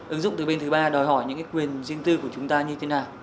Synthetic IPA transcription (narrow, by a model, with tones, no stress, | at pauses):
ʔɨ˨˦ŋzʊ̰˧˨ŋ͡mt̪ɨ˨˩ɓe˧nt̪ʰɓaː˧ɗɔ˨˩jɦɔ˧˩jɲɨ̰˧˥ŋkaː˨˦jkwi˨˩ənzi˧əŋt̪ɨ˧ku˧˩ə˩t͡ɕʊ˨˦ŋ͡mt̪aː˧ɲɨ˧t̪ʰe˨˦naː˨˩w